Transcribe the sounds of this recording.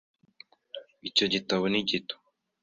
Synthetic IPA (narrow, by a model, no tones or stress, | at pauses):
ico̞ɟitaβoniɟito̥